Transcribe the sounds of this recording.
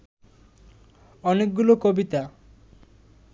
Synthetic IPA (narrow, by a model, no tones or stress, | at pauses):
ɔnek̚ɡulokobit̪a